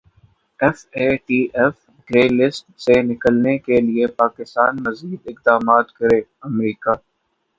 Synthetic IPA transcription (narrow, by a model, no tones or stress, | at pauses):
ɛfeːʈiːʔɛf | ɡɾeːlɪsʈsenɪkəlnekeliepaːkɪst̪aːnmɐziːd̪ɪqd̪aːmaːt̪kɐɾeːɐmɾiːkaː